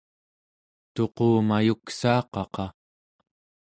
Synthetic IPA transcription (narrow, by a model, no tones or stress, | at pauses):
t̪o̞qoːmajuksɑːqɑqɑ